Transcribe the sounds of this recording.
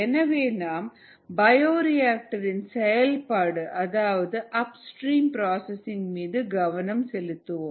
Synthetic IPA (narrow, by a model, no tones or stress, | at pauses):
ɛnɐʋeːnaːm | bɐjoːɾɪjaːk̚ʈɐɾɪnsɛjɐlpaːɽɯʔɐðaːʋɐðɯʔɐpsʈɾiːmpɾaːsɐsɪŋɡmiːðɯɡɐʋɐnɐmsɛlɯt̪ːɯʋõːm